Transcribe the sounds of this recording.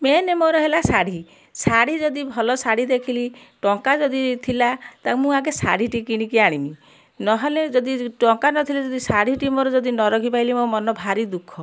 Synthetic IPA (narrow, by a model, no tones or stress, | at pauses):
menemoɾɔɦelasaɽ̤i | saɽ̤id͡ʒɔd̪ibʱɔlɔsaɽ̤id̪ekʰili | ʈɔŋkad͡ʒɔd̪it̪ʰilat̪amũaɡesa̰ɽiʈikiɽ̃ikiaɽ̃imi | nɔɦɔled͡ʒɔd̪iʈɔŋkanɔt̪ʰiled͡ʒɔd̪isaɽ̤iʈimoɾɔd͡ʒɔd̪inɔɾɔkʰipajlimomɔnɔbʱaɾid̪ukʰɔ